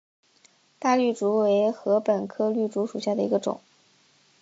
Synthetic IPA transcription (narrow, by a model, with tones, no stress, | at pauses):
t̪a˥˧ly˥˩ʈ͡ʂu˧˥we˧˥ɪxɤ˧˥pə˨˩nkʰɤ˥ly˥˩ʈ͡ʂu˧˥ʂu˨˩ɕja˥˩d̪ə˩ḭ˧˥ɡə˧ʈ͡ʂʊ̰˨˩˦ŋ